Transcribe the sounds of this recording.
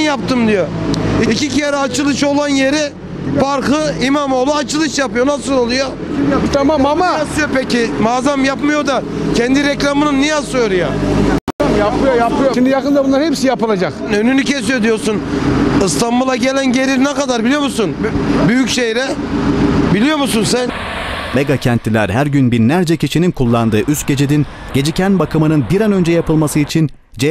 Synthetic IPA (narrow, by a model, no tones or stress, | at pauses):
njapt̪ʰɯmd̪ijoicicʰɛɾɛat͡ʃʰɯlˠɯʃo̞lˠanje̞ɾɪ | baɾkɯimamo̞lˠuat͡ʃɯlˠɯʃjapɯjonasɯlˠolˠujo | t̪ʰamamamaasɯjopecɪmaːzamjapmɯjo̞d̪a | cʰɛnd̪iɾɛclʲamɯnɯnːijasɯjoɾuja | japɯjojapɯjoʃimd̪ijakɯnd̪abunlaɾhepsijapɯlˠad͡ʒaknø̞nynycʰe̞s̬ijo̞d̪ijo̞ɾsunɯst̪anbulˠaɟe̞lʲænɟe̞ɾiɾnɛkad̪aɾbilʲijo̞musunbyjycʃejɾɛ | bilʲijo̞ɾmusunsænmeɡacʰɛnt̪ʰilʲæɾhæɾɟynbinlʲæɾd͡ʒɛcʰiʃininkʰulˠːand̪ɯːʔyst̪̚ɟe̞d͡ʒed̪in | ɟ̥e̞d͡ʒicʰænbakʰɯmɯnɯnbiɾanø̞nd͡ʒɛjapʰɯlˠmasɯit͡ʃʰin | d͡ʒɛ